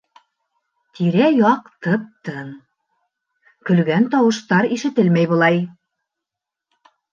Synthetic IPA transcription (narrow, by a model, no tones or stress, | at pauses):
t̪ʰiɾæjɑqt̪ɤp̚t̪ɤn | kɵ̆lɡænt̪ɑwɤ̆ʃt̪ɑɾiʃɘ̆t̪ɘlmæjβɤ̆lˠɑj